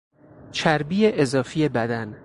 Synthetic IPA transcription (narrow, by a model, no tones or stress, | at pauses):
t͡ʃʰæɾbiːjeʔezɒːfije̞bæd̪æn